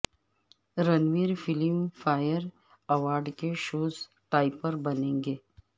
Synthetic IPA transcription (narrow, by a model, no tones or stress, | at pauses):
ɾɐnʋiːɾfɪlimfaːjəɾ | ɐʋaːɾɖkeʃoːz | ʈaːɪpəɾbɐnẽːŋɡeː